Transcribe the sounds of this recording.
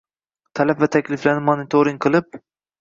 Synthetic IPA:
t̪ʰalapvat̪ʰakʲlɪflanɪmonɪt̪ʰoɾiŋqʰɨlˠɪp̚

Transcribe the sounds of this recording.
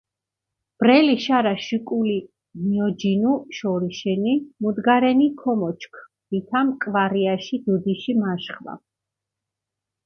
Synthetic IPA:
b̥ɾɛliʃaɾaʃukʼuli | miɔd͡ʒinuʃɔɾiʃɛnimud̪ɡaɾɛnikʰɔmɔt͡ʃʰkʰ | b̥it̪ʰamkʼvaɾiaʃid̪ud̪iʃimaʃχva̰

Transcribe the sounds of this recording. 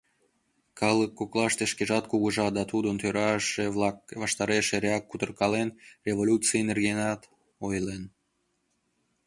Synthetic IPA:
kɑlˠəkːoklˠɑʃt̪eʃkeʒɑt̪̚kuɣəʒɑd̪ɑt̪ud̪ənt̪øɾɑʃevlˠɑk̚vɑʃt̪ɑɾeʃeɾʲeɑk̚kːut̪ərkɑlenrʲevolʲut͡sɨjenerɣenɑt̪ | ojlen

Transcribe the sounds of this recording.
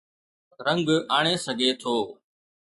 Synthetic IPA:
ɾə̃ŋɡaːɳ̃eːsəɡʱeːt̪ʰoː

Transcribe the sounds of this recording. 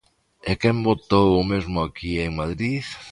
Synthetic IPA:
ekɛmbot̪owʊmezmʊakieŋmaðɾiθ

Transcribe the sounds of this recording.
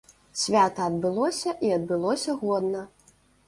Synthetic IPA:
sʲvʲat̪ɐɐd̪bɨlˠɔsʲɐʔiɐd̪̚bɨlˠɔsʲɐɣɔd̪nɐ

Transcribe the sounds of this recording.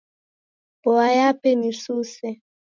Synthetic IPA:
bɔajapɛnisuːsɛ

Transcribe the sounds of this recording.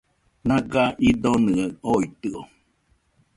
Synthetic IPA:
nãɡaʔid̪onɨəoit̪ɨo

